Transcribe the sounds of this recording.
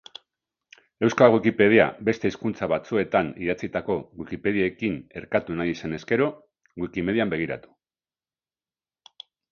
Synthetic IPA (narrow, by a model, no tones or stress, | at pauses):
e̞wskalɣwikipe̞ð̞ia̰be̞st̪e̞iskunt͡saβat͡sue̞t̪aniðat͡sit̪ako̞ɣwikipe̞ðiaːkine̞ɾkat̪unajisene̞ske̞ɾo̞ | ɣwikime̞ð̞iambe̞ɣ̞iɾa̰t̪u̥